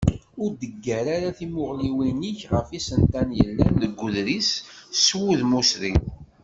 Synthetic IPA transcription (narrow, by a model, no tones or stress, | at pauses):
ʊɾd̪əɡːæɾaɾaθimʊʁliwiniçʁəfisənt̪ænjə̰lːænəɡʷːʊðɾisswuðmusɾi